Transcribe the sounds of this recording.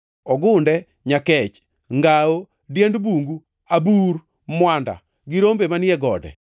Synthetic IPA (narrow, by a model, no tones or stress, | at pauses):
ɔɡʊndɛ | ɲakɛt͡ʃ | ŋɡao | djendbuŋɡu | abuɾ | mwanda̰ | ɡɪɾombemanɪɛɡɔdɛ̰